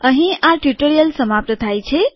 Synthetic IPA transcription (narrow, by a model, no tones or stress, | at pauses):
əɦĩaʈjuʈoɾijəlsəmapɾət̪ʰajt͡ʃʰe